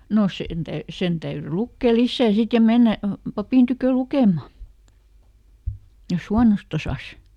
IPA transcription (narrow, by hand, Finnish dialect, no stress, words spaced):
no sen tæy sen tæyry lukːeˑ lisːæˑ sit jɑ menːæ pɑpiˑn tykø lukemˑɑ jos huɑnost osɑs